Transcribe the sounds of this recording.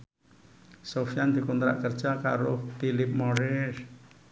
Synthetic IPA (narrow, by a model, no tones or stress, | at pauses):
sofijand̪̥i̤kunt̪ɾa̰ʔkərd̥ʒ̥aka̰ɾoht̪ilɪp̚mɔɾɛs